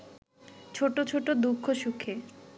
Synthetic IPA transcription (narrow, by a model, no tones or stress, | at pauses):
t͡ɕʰoʈot͡ɕʰoʈod̪ukʰːoʃukʰːe